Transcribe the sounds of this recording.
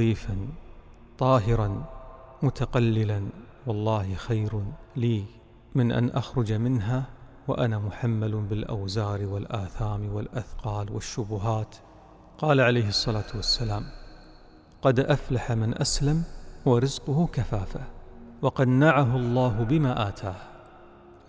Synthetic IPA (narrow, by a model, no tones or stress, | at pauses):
iːfan | t̪ˤɑːɦɪɾɑnmʊt̪ʰaqalːɪlan | wɑlˤːɑːhxajɾliː | mɪnʔa̰nʔaxɾʊd͡ʒamɪnɦa | wa̰ʔanamʊħamːalbɪlʔa̰wzaːɾwɪlʔaːθaːmɪwɪlʔaθqɑːlwɪʃːʊbʊɦaːt̪ | qɑːlaʕalajɦɨsˤːɑlaːt̪wasːalaːm | qɑd̪ʔaflaħamɪnʔaslamwaɾɪzqʊhʊkafaːfawɑqɑd̪naʕaɦʊlˤːɑːɦʊbɪmaːʔaːt̪ʰaːh